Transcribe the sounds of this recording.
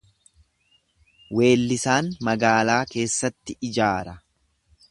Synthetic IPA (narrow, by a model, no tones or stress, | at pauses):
we̞ːlːɪsaːnmɐɡaːlaːke̞ːsːɐt̪ːɪʔɪd͡ʒaːɾɐ